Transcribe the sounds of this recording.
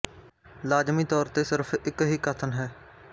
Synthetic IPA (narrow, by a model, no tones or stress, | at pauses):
laːd͡ʒmiːt̪ɔːɾt̪eːsɪɾpʰɪkɦiːkət̪ʰənɦɛː